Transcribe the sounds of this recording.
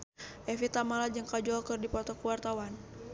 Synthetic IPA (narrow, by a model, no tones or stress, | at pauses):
ʔɛfit̪amalad͡ʒɨŋkad͡ʒɔlkɨrdipɔt̪ɔkuwart̪awan